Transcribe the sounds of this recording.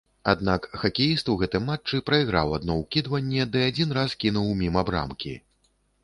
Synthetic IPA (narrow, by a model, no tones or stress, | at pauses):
ad̪nakxakʲejist̪uwɣɛt̪ɨjmat͡ʂːɨpɾɐiɣɾa̰wad̪nɔwkʲid̪vɐnʲːɛd̪ɨad͡zʲinɾaskʲinuwmʲimabɾa̰mkʲḭ